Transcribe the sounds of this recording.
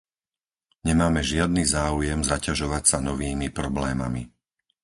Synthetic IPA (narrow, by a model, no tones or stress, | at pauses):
ɲɛmaːmɛʒɪad̪niːzaːujɛmzacaʒɔʋacsanɔʋiːmipɾɔblɛːmami